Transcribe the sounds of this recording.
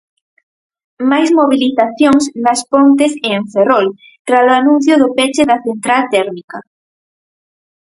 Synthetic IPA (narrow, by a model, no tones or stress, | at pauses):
majzmoβ̞iliθaθjoŋsnaspont̪eseɱferol | t̪ɾasoanũn̟θjʊðʊpet͡ʃeðaθent̪ɾalt̪ɛɾmika